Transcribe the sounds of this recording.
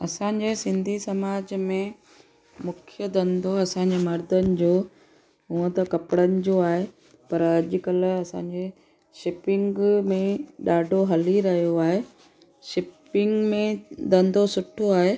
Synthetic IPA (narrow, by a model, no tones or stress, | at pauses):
ɐsãːɲd͡ʑeːsɪ̃nd̪ʱisɐmaːd͡ʑmẽ | mʊkʰjəd̪ɐ̃nd̪ʱoɐsãːɲ̆d͡ʑeːmɐɾd̪ʱənɪ̆d͡ʑoː | ɦuə̃t̪ɐkɐpɽənɪ̆d͡ʑoːaːɦe | pɐɾɐʄ̆kɐl̆ɐsã̰ːɲd͡ʑeː | ʃɪpɪ̃ŋɡmẽɗaːɖʱoɦɐliɾɐɦijoaːɦe | ʃɪpɪŋɡmẽd̪ɐ̃nd̪ʱosʊʈʰoaːɦeː